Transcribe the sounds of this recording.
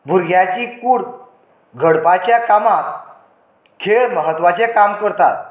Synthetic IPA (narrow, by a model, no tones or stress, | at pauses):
bʱuɾɡʱjat͡ɕiːkuːɽ | ɡʱəɽpat͡ɕjakamak | kʰeɭməɦət̪ʋat͡ɕekamkəɾt̪at̪̚